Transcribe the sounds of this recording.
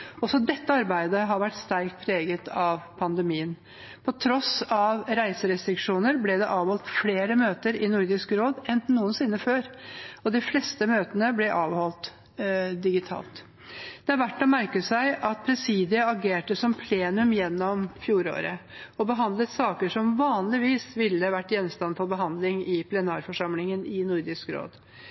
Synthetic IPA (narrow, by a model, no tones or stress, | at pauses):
ɔsɔd̪ɛt̪ːəɑɾbæɪd̪əɦɑɾʋæʈːst̪æɾkt̪̚pʰɾeːɡət̪ʰɑʋpʰɑnd̪əmiːən | pʰɔt̪ʰɾɔsɑʋɾæɪsəɾɛst̪ɾɪkʂuːnəɾblɛd̪ɛʔɑːʋhɔlt̪fleːɾəmøːt̪əɾɪnʊɾd̪ɪskɾoːd̪ɛnnuːənsɪnːəføːɾɔd̪ɪflɛst̪əmøːt̪ənəblɛʔɑːʋhɔlt̪ | d̪ɪɡɪt̪ʰɑ̰ːlt̪ | d̪̥ɛæɾʋæʈːɔmæɾkəsæɪʔɑt̪̚pʰɾɛsiːd̪ɪəɑɡeːʈəsɔmpʰleːnʉmjɛnːɔmfjuːɾo̰ːɾəɔbəɦɑnd̪lət̪sɑːkəʂɔmʋɑːnlɪʋiːsʋɪlːəʋæʈːjɛnːmst̪ɑnfʰɔbəɦɑnd̪lɪŋɪpʰlɛnɑːɾfɔʂɑmlɪŋənɪnʊɾd̪ɪskɾo̰ːd̪